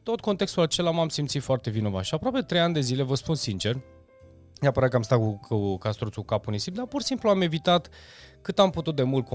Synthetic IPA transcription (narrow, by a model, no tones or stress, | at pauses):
t̪o̞t̪̚ko̞nt̪e̞kst̪ulat͡ʃe̞lamamsimt̪sit̪foart̪e̞vino̞vaʃiapɾoape̞t̪ɾe̞janʲd̪e̞zile̞vəspunsint͡ʃe̞r | neapəɾat̪̚kəamst̪at̪kukukast̪ɾut̪sukapunisimd̪apursimpluame̞vit̪at̪ | kɨt̪amput̪ut̪̚d̪e̞mult̪̚k